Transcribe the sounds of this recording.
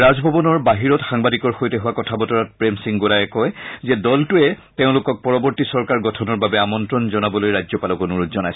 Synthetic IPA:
ɹazbʱɔbɔnɔɹbaɦiɹɔtxaŋbadikɔɹxojtɛɦʊwakɔtʰabɔtɔɹat̚pɹemsiŋɡolajɛkɔjzɛdɔltʊɛteʊ̃lʊkɔk̚pɔɹɔbɔɹtisɔɹkaɹɡɔtʰɔnɔɹbabɛamɔntɹɔnzɔnabɔlojɹajzɔpalɔkɔnuɹutzɔnajsɔ

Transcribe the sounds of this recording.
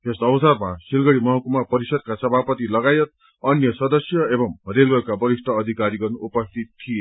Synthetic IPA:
esʌwsarmasilɡʌɽimʌɦʌkumapʌɾisʌd̪̚kasʌbʱapʌt̪ilʌɡajʌt̪̚ | ʌnjʌsʌd̪ʌsjʌebʌmrelwʌlkabʌɾisʈ̪ʰʌːd̪ʱikaɾiɡʌnuupʌst̪ʰit̪ʰːije

